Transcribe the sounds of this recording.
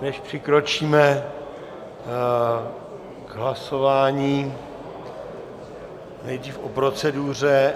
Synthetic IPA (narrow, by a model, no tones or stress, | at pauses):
nɛʃpr̝̥ɪkɾo̞t͡ʃiːmɛ | ɡɦlasovaːɲiː | nɛjd̪riːfʔopɾo̞t͡sɛdur̝ɛ